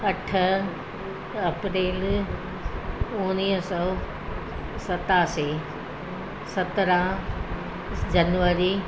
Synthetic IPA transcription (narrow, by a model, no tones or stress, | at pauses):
ɐʈʰə | ɐpɾeːl | ʊ̃niːɦsɔː | sɐt̪aːse | sɐt̪ɾã | d͡ʑɐnʋəɾi